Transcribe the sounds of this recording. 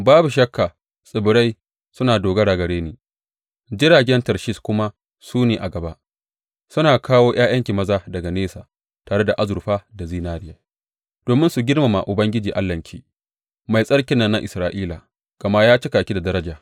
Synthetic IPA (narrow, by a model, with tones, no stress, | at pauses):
baː˦bu˨ʃɐ˦kːaː˨ | sʼɪ˨bʊ˨ɾa˦j | sʊ˦naː˨doː˨ɡɐ˦ɽa˨ɡɐ˨ɽeː˦niː˨ | d͡ʒɪ˦ɾaː˨ɡʲɛ˦ntɐ˨ɾʃi˦skʷʊ˦ma˦ | suː˦neː˨ʔa˨ɡɐ˨ba̰˦ʔ | sʊ˦naː˨kaː˦woː˦j̰aː˦j̰ʔɐ˦ŋkʲiː˨mɐ˦zaː˦dɐ˨ɡa˨neː˦saː˨ | taː˨ɽe˦da˨ʔa˦zʊ˨ɾɸaː˦da˨ziː˦naː˦ɾɪ˦jaː˨ | d̥oː˨mɪ˦nsu˨ɡʲɪ˦rma˨ma̰˨ʔʊ˨bɐ˦ŋɡʲɪ˦d͡ʒiː˨ʔa̰˦lːɐ˨ŋkʲʰiː˦ | ma˨jsʼɐ˦ɽkʲɪ˨˦nːɐ˦nːa˦ʔɪ˨sɾaː˨ʔiː˦la˨ | kɐ˨ma˦jaː˦t͡ʃɪ˦kaː˨kʲi˦da˨dɐ˦ɾɐ˦d͡ʒaː˨